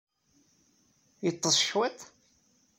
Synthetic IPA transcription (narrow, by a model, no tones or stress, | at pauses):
jət̪ˤːəsˤʃwæt̪